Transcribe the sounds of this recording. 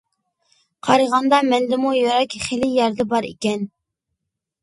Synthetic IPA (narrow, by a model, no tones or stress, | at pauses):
qʰɑɾəʁɑnd̪ɑmɛnd̪ɪmujoɾɑkʲχelijɑɾd̪ɛbɑɾḛkʲɛn